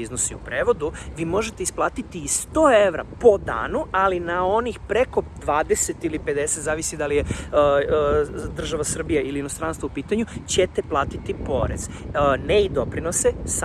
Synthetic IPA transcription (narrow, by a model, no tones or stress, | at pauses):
iznosiupɾeːʋo̞d̪uʋiːmo̞ʒe̞t̪e̞isplˠaːt̪it̪iːst̪oːe̞ʋɾa̰po̞d̪a̰ːnualinao̞nixpɾe̞ko̞d̪ʋaːd̪e̞set̪ilipe̞d̪e̞se̞t̪zaːʋisid̪alije | d̪r̩ʒaʋasr̩bijaʔiliinost̪ɾaːnst̪ʋaupiːt̪aɲut͡ɕet̪eplˠaːt̪it̪ipo̞̰ɾḛz̥ | neid̪o̞pɾino̞ses